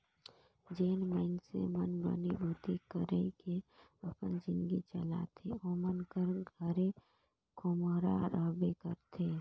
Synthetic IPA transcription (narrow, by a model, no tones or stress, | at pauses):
d͡ʒeːnməɪnsḛmənbə̰nibʱuːt̪ikəɾekeəpənd͡ʒɪ̃nd̪ɡit͡ʃəla̰t̪ʰeɔːɾmənkəɾɡʱəɾe | kʰomoːɾa̰ɾəːbekəɾt̪ʰeː